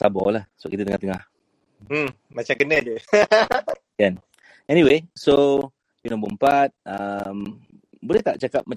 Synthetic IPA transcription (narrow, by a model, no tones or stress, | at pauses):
sabɔ̰lahsəba̰ʔkit̪ət̪əŋa̰t̪əŋah | m̩ | mat͡ʃamkənəd͡ʒu | kan | ɛniweso | junambumpat̪̚əm | bolɛht̪aʔt͡ʃakap̚ma